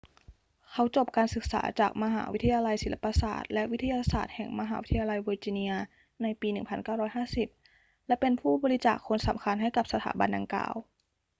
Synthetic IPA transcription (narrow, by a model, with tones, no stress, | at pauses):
kʰa˦˥wt͡ɕo˨˩p̚kaː˧nsɯ˨˩k̚sa̰ː˩˦t͡ɕaː˨˩k̚ma˧ɦa̰ː˩˦wi˦˥t̪ʰa˧jaː˧la˧jsi˨˩˦la˧˩pa˧sa̰ː˨˩t̪̚lɛ˦˥ʔwi˦˥t̪ʰːa˧jaː˧saː˨˩t̪̚hɛ˨˩ŋma˧ɦaː˩˦wi˦˥t̪ʰja˧la˧jboː˧t͡ɕi˧ni˧ɐ | na˧jpiː˧nɯ˨˩ŋpʰa˧nkaː˥˩wɾɔː˦˥jɦaː˥˩si˨˩p̚ | lɛ˦˥pe˧npʰuː˥˩bɔː˧ɾi˦˥t͡ɕaː˨˩kʰːo˧nsa̰˩˦mkʰa˧nɦa˥˩jka˨˩p̚sa˧t̪ʰaː˩˦ba˧nda˧ŋkla̰ː˨˩w